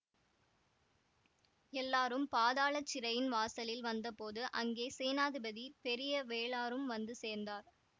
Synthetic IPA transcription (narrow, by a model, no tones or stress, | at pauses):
ɛlːaːɾɯmpaːðaːɭɐt͡ʃːɪɾɐjɪnʋaːsɐlɪlʋɐnd̪ɐpoːðɯʔɐŋɡeːseːnaːðɪbɐðipɛɾɪjɐʋeːɭaːɾɯmʋɐnd̪ɯseːɾnd̪aːɾ